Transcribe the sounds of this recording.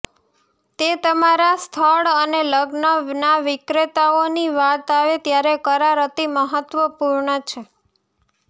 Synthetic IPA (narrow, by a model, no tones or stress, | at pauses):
t̪et̪əmaɾast̪ʰəɭəneləɡnənaʋɪkɾet̪aoniʋat̪aʋet̪jaɾekəɾaɾət̪iməɦət̪ʋəpuɾɳət͡ʃʰe